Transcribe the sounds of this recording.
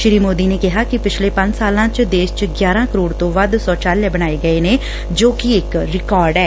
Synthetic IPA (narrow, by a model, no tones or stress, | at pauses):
ʃɪɾiːmoːd̪iːneːkɪɦaːkɪpɪt͡ʃʰleːpə̃ɲd͡ʒsaːlãːt͡ʃd̪eːst͡ʃɡjaːɾãːkəɾoːɽt̪õːʋəd̪sɔːt͡ʃaːljaːbəɽ̃aːeːɡəeːneː | d͡ʒoːkɪɪkɾɪkɔːɾɖɛː